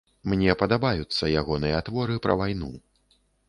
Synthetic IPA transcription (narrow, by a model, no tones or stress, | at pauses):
mnʲɛpɐd̪abajut̪sːɐjaɣɔnɨjɐat̪vɔɾɨpɾɐ̰vajnṵ